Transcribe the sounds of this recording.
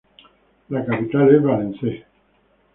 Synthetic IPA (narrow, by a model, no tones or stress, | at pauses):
lakapit̪aleβalense